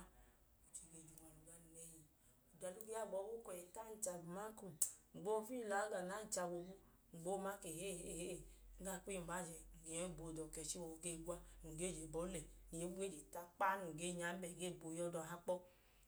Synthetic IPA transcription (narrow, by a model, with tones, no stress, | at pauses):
o˨t͡ʃi˨ɡe˧˨d͡ʒu˨ŋ˨a˨lu˨ɡa˧n˨nɛ˨˦ji˨ | u˨da˨lu˦ɡe˦a˦˨ɡ͡bɔ˨˦wo˦kɔ˨e˨ta˦n̩˦t͡ʃa˧bma˦ku˨ŋ͡m̩˨ɡ͡bo˦fi˦˨la˨˦ɡa˨na˨˦n̩˨˦t͡ʃa˧wo˧bu˦ | ŋ͡m̩˨ɡ͡bo˦ma˦ke˨he˦˨he˦˨he˦˨˦ɡa˦˨k͡pi˦˨ba˨˦d͡ʒɛ˨ŋ̩˨ɡe˨jɔ˦˨bo˨dɔ˨kɛ˨t͡ʃi˦wo˨wo˧ɡe˦˨ɡʷa˦˨ŋ̩˨ɡe˦˨d͡ʒe˨bɔ˨˦lɛ˨ni˨e˦ɡe˦d͡ʒe˨ta˧k͡pa˦nu˨ɡe˦˨ɲa˨˦bɛ˨ɡe˦˨bo˨jɔ˧dɔ˨ɦa˦k͡pɔ˦